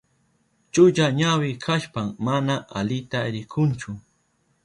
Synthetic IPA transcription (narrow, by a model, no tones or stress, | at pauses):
t͡ʃʊʎaɲawɪkʰaʃpammanaʔa̰lɪt̪aɾɪkʰʊnt͡ʃʊ